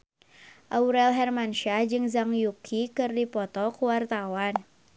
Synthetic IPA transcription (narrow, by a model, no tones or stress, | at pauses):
ʔauɾɛlɦɛrmanʃad͡ʒɨŋzaŋjukʰikɨrdipɔt̪ɔkuwart̪awan